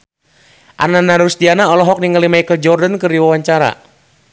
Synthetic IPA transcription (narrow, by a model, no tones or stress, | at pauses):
ʔa̰nanaɾust̪ianaɔlɔɦɔk̚niŋalimaikəd͡ʒɔrdankɨrdiwawaɲt͡ʃaɾa̰